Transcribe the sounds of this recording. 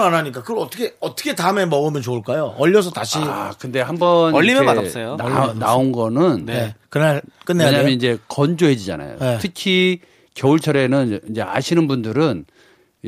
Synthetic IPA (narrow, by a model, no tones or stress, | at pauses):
anaɲik̬͈akɯɡʌɭʌt͈ʌkʰeʌt͈ʌ̥kʰe̞taɯme̞mʌɡɯmjʌnt͡ɕouɭk͈ajoʌʎːʌs̬ʰʌtaɕʰiakɯnde̞hambʌnʌʎːimeadas͈ʌjoanaonɡʌnɯnnekɯnaɭk͈ɯnːeeɲaamjʌnind͡ʑe̞kʌnd͡ʑoɦe̞d͡ʑid͡ʑa̰na̰jo̰netʰɯkʰi | kjʌuɭt͡ɕʰʌɾe̞nɯnid͡ʑe̞a̰ɕʰinɯnbundɯɾɯn